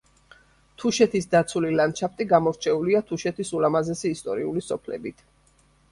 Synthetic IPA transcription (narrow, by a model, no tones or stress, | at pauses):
t̪ʰuʃɛt̪ʰisd̪at̪sʰulilant͡ʃʰap̚ʰt̪ʼiɡamɔɾt͡ʃʰɛuliat̪ʰuʃɛt̪ʰisulamazɛsiːst̪ʼɔ̰ɾiulisɔpʰlɛ̰bit̪ʰ